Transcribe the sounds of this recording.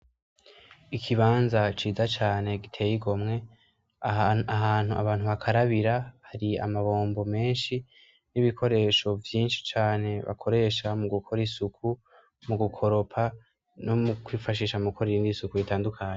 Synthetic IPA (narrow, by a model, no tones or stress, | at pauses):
ikʰiβaːnzat͡ʃiːzat͡ʃaːne̞ɡitʰe̞ːjiɡo̞mŋe̞ | aɦan̥huʔa̰βaːnhuβakʰaɾaβiɾahaɾia̰maβo̞ːmbo̞me̞ːnʃi | niβikʰo̞ɾe̞ʃo̞vjiːnʃi̥t͡ʃaːne̞βa̰kʰo̞ɾe̞ʃamuɡukʰo̞ɾisukʰu | muɡukʰo̞ɾo̞pʰa | nomukwiːfaʃiːʃamukʰoɾiindisukuitaːndukʰaːɲe